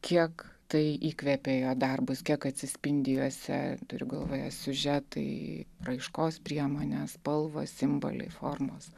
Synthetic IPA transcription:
kʲiɛkt̪ɐɪiːkʋʲɛpʲeːjoːd̪ɐrbʊskʲiɛkɐt̪ʲsʲɪsʲpʲɪnʲd̪ʲɪjuɔsʲɛ̰t̪ʊɾʲʊɡɐlˠʋoːjɛsʲʊʒʲɛt̪ɐ̰ɪrɐɪʃkoːspʲɾʲiɛmoːnʲespɐlˠʋo̰ːssʲɪmbo̰ːlʲɛ̰ɪfoːrmoːs

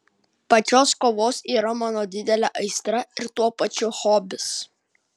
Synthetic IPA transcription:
pɐt͡ʃʲoːskoːʋoːsiːɾɐmɑːnoːd̪ʲɪd̪ʲɛlʲɛʔɐɪst̪ɾɐɪɾt̪uɔpɐt͡ʃʲʊxoːbʲɪs

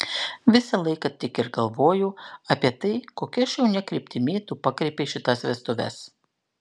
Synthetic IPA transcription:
ʋʲɪsɐlˠɐɪkɐt̪ʲɪkɪɾɡɐlˠʋoːjʊɐpʲiɛt̪ɐɪkoːkʲiɐʃjɛʊnʲɛkɾʲɪːpʲt̪ʲɪmʲeːt̪uːpɑkɾʲɛɪpʲeɪʃʲɪt̪ɐsʋʲɛst̪oʋʲɛ̰s

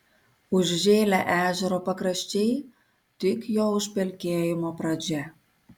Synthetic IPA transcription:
uʒʒelæʔæʒəɾopə̆kɾə̆ʃt͡ɕej | t̪ykjowʃpelkejomoprɑd͡ʑæ

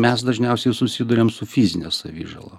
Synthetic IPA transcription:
mʲɛsd̪ɐʒʲnʲɛʊsʲɛɪsʊsʲɪd̪ʊɾʲeːmsʊfʲizʲɪnʲo̰sɐʋʲḭːʒɐ̰lˠo̰

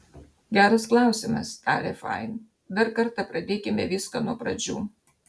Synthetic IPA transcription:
ɡʲæːɾɐsklˠɑˑʊsʲɪmɐst̪ɑːlʲɛfɑ̰ɪn | d̪ɐɾkɐɾt̪ɑpɾɐd̪ʲeːkʲɪmʲɛʋʲɪskɐnuɔpɾɐd͡ʒʲṵː

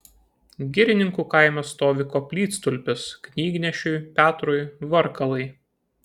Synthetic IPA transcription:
ɡʲɪɾʲɪnʲɪŋkuːkɐɪmʲɛst̪oːʋʲɪkoːpʲlʲiːt̪st̪ʊlʲpʲɪsknʲiːɡʲnʲɛʃʲʊɪpʲæːt̪ɾʊjʋɐɾkɐlˠɐɪ

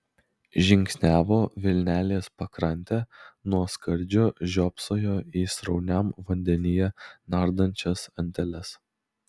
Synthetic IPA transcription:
ʒʲɪŋʲksʲnʲæːʋoːʋʲɪlʲnʲæːlʲeːspɐkɾɐnʲˑt̪ʲæːnuɔskɐɾʲˑd͡ʒʲʊʒʲoːpsoːjoːiːsɾɒʊnʲɛˑmʋɐnʲd̪ʲɛnʲɪjɛnɑˑɾd̪ɐnʲˑt͡ʃʲɛsɐnʲt̪ʲɛlʲɛs

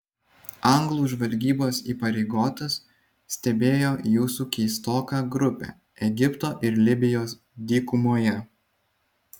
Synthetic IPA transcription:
ɐŋɡlˠuːʒʋɐlʲɡʲiːboːsḭːpɐɾʲɛɪɡoːt̪ʲɐsːʲ | t̪ʲɛbʲeːjoːjuːsukʲɛːst̪oːkɑɡɾʊpʲɛ̰ː | ɛɡʲɪpt̪oːʔɪɾlʲɪbʲɪjoːs | d̪ʲiːkʊmoːjɛ

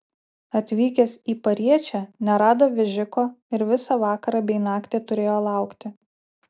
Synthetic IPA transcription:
ɐt̪ʲʋʲiːkʲɛsiːpɐɾʲiɛt͡ʃʲænʲɛɾɑːd̪oːʋʲɛʒʲɪkoːɪɾʋʲɪsɑʋɑːkɐɾɑbʲɛɪnɑːkt̪ʲeːt̪ʊɾʲeːjoːlˠɑˑʊkt̪ʲɪ

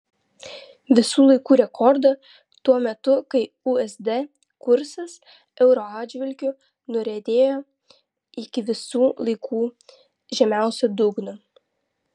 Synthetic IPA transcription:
ʋʲɪsuːlˠɐɪkuːɾʲɛkʰɔɾd̪ɐ | t̪uɔmʲɛt̪ʊkɐɪ | uɛzd̪ɛ | kʊɾsɐs | ɛʊɾoaːd͡ʒʲʋʲɪlʲkʲʊ | nʊɾʲɛd̪ʲeːjoː | ɪkʲɪʋʲɪsuːlˠɐɪkʰuː | ʒʲɛmʲæˑʊsʲɛd̪ʊɡnʊ

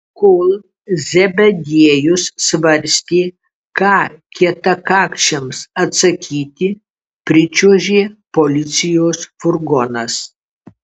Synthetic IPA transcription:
kolˠ | zʲɛbʲɛd̪ʲiɛjʊsːʋɐɾʲsʲt̪ʲiː | kɑːkʲiɛt̪ɐkɑːkʃʲɛmsɐt̪sɐkʲʰiːt̪ʲɪ | pʲɾʲɪt͡ʃʲuːʒʲeːpolʲɪt̪sʲɪjoːsfʊɾɡɔnɐs

